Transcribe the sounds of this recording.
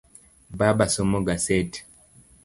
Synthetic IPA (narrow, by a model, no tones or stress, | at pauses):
babasomoɡaset